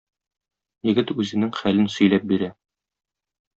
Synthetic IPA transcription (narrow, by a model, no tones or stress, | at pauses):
jɘ̆ɡɘt̪ʉzɘ̆nɘŋχælɘnsɵ̆jlæp̚biɾæ